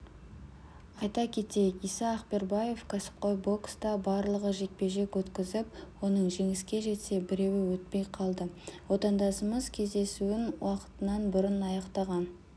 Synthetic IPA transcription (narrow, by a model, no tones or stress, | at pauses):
ɑjt̪ɑkʲʰe̞t̪ejkijsɑːqpe̞ɾbɑje̞fkʲʰasɪ̥p̚qojbo̞kst̪ɑbɑɾlˠəʁəʒe̞k̚pe̞ʒe̞kwɵt̪kʲɪzɪpwo̞nəɴʒe̞ŋɪskʲe̞ʒe̞t̪se̞bɪɾe̞wɪwɵt̪̚pe̞jqʰɑlˠd̪əwo̞t̪ɑnd̪ɑsəməzkʲʰe̞zd̪e̞suɪnwɑqə̥t̪ənɑnbʊɾənɑjɑqt̪ɑʁɑn